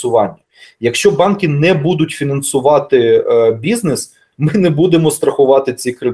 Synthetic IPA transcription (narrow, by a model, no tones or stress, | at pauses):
ʊʋɑnʲːɐ | jɐkʃt͡ʃɔbɑnkʲɪnɛbud̪ʊtʲfʲinɐnsʊʋɑt̪ɪbʲiznes | mɪnɛbud̪emɔst̪ɾɐxʊʋɑt̪ɪt͡sʲikɾɪ